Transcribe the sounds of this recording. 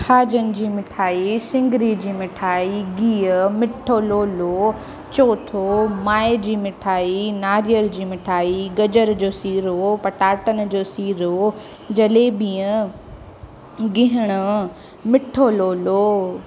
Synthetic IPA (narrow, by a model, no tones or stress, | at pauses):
kʰaːd͡ʑənɪ̆d͡ʑiːmɪʈʰaːisɪ̃ŋɡɾid͡ʑiːmɪʈʰaːiɡiːəmɪʈʰoloːlo | t͡ɕoːʈʰomaːɪd͡ʑiːmɪʈʰaːinaːɾijəld͡ʑiːmɪʈʰaːiɡɐd͡ʑəɾd͡ʑoːsiːɾopɐʈaːʈən̆d͡ʑoːsiːɾo | d͡ʑɐleːbĩːə̃ | ɡɪɦəɽ̃ʊ | mɪʈʰoloːloː